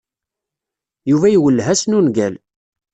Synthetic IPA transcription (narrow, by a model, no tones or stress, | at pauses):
juvæjwəlːɦæsnunɡæl